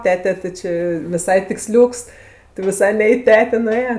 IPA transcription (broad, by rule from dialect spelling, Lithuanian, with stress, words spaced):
ˈtʲæːtʲɛ tʲɪ ˈt͡ʃʲɪ ʋʲɪˈsɐɪ tʲɪkˈsʲlʲuːks tʲɪ ʋʲɪˈsɐɪ nʲɛ ɪ ˈtʲæːtʲeː nʊˈeːjoː